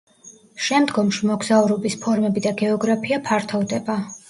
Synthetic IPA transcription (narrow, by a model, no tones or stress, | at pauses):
ʃɛmd̪ɡɔmʃimɔɡzauɾɔbispʰɔɾmɛbid̪aɡɛɔɡɾapʰiapʰaɾt̪ʰɔvd̪ɛba